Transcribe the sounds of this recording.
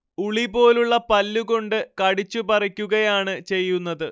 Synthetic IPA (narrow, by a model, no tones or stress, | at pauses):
uɭibo̞ːluɭːɐpɐlːuɣo̞ɳɖɨkɐɽit͡ɕːupɐrɐkʲːuɣɐjaːɳɨt͡ɕe̞jːunːɐðɨ